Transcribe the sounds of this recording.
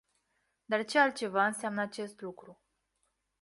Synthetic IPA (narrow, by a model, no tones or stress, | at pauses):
d̪art͡ʃealt̪̚t͡ʃe̞vaɨnseamnəat͡ʃe̞st̪lukɾu